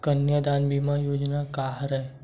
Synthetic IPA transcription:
kənjəd̪aːnbimãjoːd͡ʒnakaːɦɾɛɦe

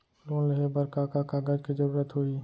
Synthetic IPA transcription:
loːnləɦebəɾkakakaɡəd͡ʒkid͡ʒəɾuːɾət̪ɦoiː

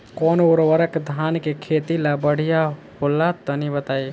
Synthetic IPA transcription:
kɔnuɾwəɾəkd̪ʱankekʰet̪ilabəɽ̤ija | holat̪ənibət̪aj

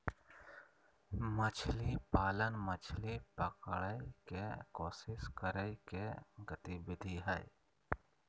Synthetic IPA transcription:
mət͡ʃʰlipaːlənmət͡ʃʰlipəkɭəjkekoːsɪskəɾəkeɡət̪ibɪd̪ʱiɦɛj

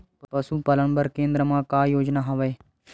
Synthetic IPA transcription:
pɐsuːpɐləɳ̃bəɾkẽːnd̪ɾəmãːkaːjoːd͡ʒnaːɦɐʋeː

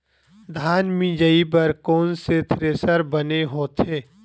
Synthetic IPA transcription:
d̪ʱaːnmĩd͡ʒəip̬ɐɾkoːnset̪ʰɾeːsəɾbəneɦoːt̪ʰeː

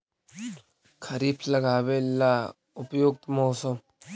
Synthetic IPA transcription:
kʰɐɾiːpʰlɐɡaːʋeːlːaː | ʊpjoːk̚t̪mɔːsəm

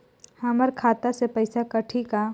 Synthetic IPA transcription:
hɐməɾkʰaːt̪asepɐɪsakɐʈʰika

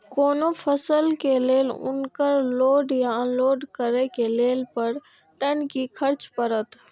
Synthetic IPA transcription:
koːnopʰəsəlkeleːlʊ̰nkəɾloːɖjãloːɖkəɾekeleːlpəɾ | ʈənkikʰɐɾt͡ʃpəɾət̪

